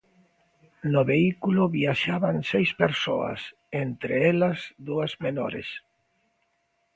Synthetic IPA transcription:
noβeikuloβiaʃaβansejspeɾso̰a̰s | ent̪ɾeelazd̪uazmeno̰ɾḛs

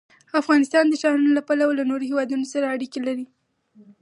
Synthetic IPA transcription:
afɣɑnɪst̪ɑnd̪əʃɑɾunolapalawlanoɾohewɑd̪unosaɾaːɽikelaɾi

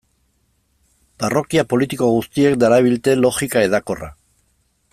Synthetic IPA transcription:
baro̞kiapo̞lit̪iko̞ɣust̪ie̞kd̪aɾaβ̞ilt̪e̞lo̞xikae̞ðako̞ra̰

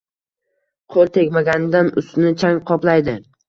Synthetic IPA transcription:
qʰolˠt̪ʰe̞kʲmaɡʲanɪd̪anʊst̪nɪt͡ʃʰaŋqʰɒplajd̪ɪ

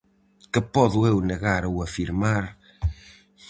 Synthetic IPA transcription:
kəpɔðuewnəɣaɾwɐfiɾmaɾ

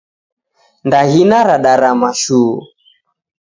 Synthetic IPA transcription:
ndaɣinaɾaɗaɾamaʃuu

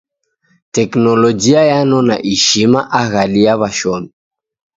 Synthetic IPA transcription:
tɛknɔlɔd͡ʒiajanɔna̰ʔiʃimaʔaɣaliaβaʃɔmi

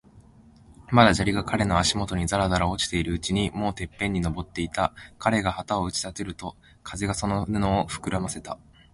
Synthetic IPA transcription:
mad̪aʑaɾʲiɡakʰaɾe̞no̞aɕimo̞t̪o̞ɲ̟izaɾazaɾao̞t͡ɕi̥t̪e̞iɾɯ̟ɯt͡ɕiɲ̟imo̞ːt̪e̞pːẽ̞ɲ̟ːino̞bo̞t̪ːe̞it̪akʰaɾe̞ɡahat̪ao̞ɯ̟t͡ɕi̥t̪at̪e̞ɾɯ̟t̪o̞ | kʰaze̞ɡaso̞nono̞ːɸɯ̟̥kɯ̟ɾamase̞t̪a

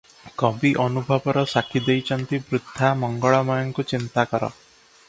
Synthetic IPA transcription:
kɔbiʔɔnubʱɔbɔɾɔsakʰid̪ejt͡ʃʰɔnt̪ibɾud̪ʱːamɔŋɡɔɭɔmɔjɔŋkut͡ʃint̪akɔɾɔ̰

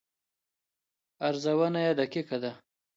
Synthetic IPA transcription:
aɾzawənajad̪akikad̪a

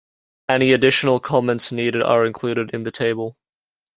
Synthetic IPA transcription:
ɛñiɨdɪʃənəlˠkʰɒmɛ̃ntsniːɾɪɾə̰˞ɹɪ̃nkʰl̥ʉːɾɪɾɪ̃nðɨtʰeɪbəlˠ

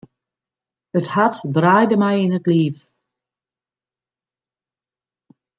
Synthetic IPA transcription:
əthatdraːjdəmɛjɪnətliːf

